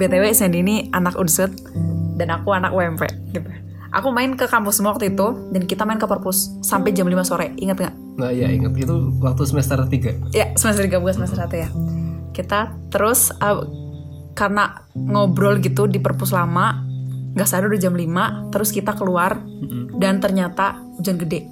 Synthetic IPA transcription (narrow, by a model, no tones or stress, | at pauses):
bet̪ewesɛninianakunsʊt̪̚ | danakuana̰kwɛmpɛ̰ɡit̪u | ʔa̰kumaɪnkəkampʊsəmwak̚t̪uit̪udankit̪amaɪnkəpərpʊsː | ampɛd͡ʒamlimasoɾɛiŋət̪̚ŋɡaʔ | ŋaja̰ḭŋət̪̚ɡit̪uwak̚t̪usəmɛst̪ərt̪iɡajasəmɛst̪ɾrt̪iɡabuɡasəmɛst̪ərsat̪ujakit̪a | t̪əɾʊsə | karna | ŋɔbɾɔlɡit̪udipərpʊslamaŋɡaʔsaɾudud͡ʒamlimat̪əɾʊskit̪akəluar | dant̪ərɲat̪a | ud͡ʒanɡədɛʔ